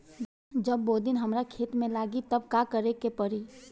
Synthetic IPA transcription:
d͡ʒəbːoːd̪ɪnɦəmɾakʰeːt̪mẽlaːɡit̪əbkakəɾekepəɾi

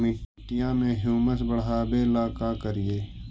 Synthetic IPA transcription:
mɪʈijãmẽɦjuːməsbəɽaːbelaːkakəɾijeː

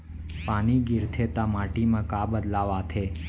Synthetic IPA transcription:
paniɡɪɾt̪ʰet̪amaʈimãkabəd̪laʋat̪ʰe

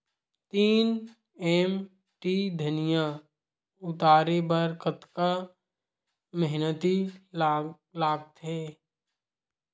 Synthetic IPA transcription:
t̪iːn | ɛm | ʈid̪ʱənijã | ʊt̪aːɾebəɾkət̪ka | məɦnət̪i | laːɡ̚t̪ɦɛː

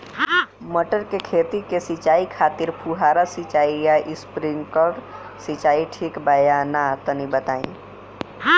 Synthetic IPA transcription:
məʈəɾkekʰeːt̪ikesit͡ʃaːikʰaːt̪ɪɾpʰuɦaːɾasit͡ʃaːijaʔɪspɾɪ̃ŋɡkɔɾɖ | sɪt͡ʃaːiʈʰiːkbajanat̪ənibət̪aːḭ̃

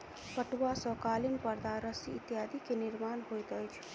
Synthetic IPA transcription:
pəʈuwasə̃kalimpəɾd̪aɾəsiːt̪jad̪ʱikeniɾmanɦojt̪əjt͡ʃʰ

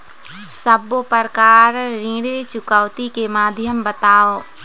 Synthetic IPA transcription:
səbopəɾkaːɾɾĩːɽet͡ʃʊkəʋt̪ikemaːd̪ʱjəmbət̪aːo

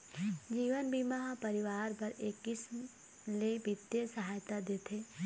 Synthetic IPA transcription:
d͡ʒiːʋənbʱimɐɦapəɾɪʋaːɾpɐɾekːɪsm | lebɪt̪jesɐɦaːjt̪ad̪eːt̪ʰeː

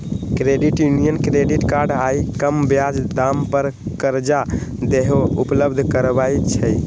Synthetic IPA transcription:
kɾeɖiʈjunijənkɾeɖiʈkaɾɖajkəmbjad͡ʒd̪ampəɾkəɾd͡ʒad̪eɦoupləbd̪ʱkəɾbajt͡ʃʰəj

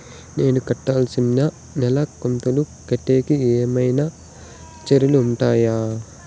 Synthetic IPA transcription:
ne̞ːnukɐʈːaːlsinnɐ | nɛlɐkont̪ɐlukɐʈːeːkieːmɐjnɐ | t͡ʃeɾuluːɳʈaːjaː

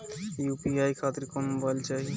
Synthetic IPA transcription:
juːpiaːjkʰaːt̪ɪɾkɔmbʱəlt͡ʃaːɦi

